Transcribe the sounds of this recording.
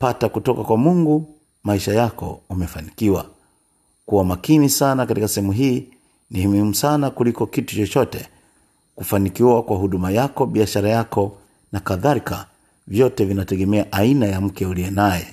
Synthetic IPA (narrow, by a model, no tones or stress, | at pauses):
patakutɔkakwamuŋɡu | maiʃajakɔ̰umɛfanikiwa̰ | kuwamakinisanakatikasɛhɛmuɦiː | nihimimusanakulikɔkitu̥t͡ʃɔt͡ʃɔtɛ | kufanikiwakwaɦuɗumajakɔɓiaʃaɾajakɔ | nakaðaɾika | vjɔtɛvinatɛɡɛmɛaʔainajam̩kɛuliɛnajɛ̰